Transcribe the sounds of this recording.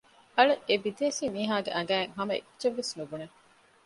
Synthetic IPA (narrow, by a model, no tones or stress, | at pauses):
ɐɭeʔebid̪eːsiːmiːɦaːɡeʔɐŋ̆ɡæːeŋɦɐmɐḭt͡ʃeʋːesnubune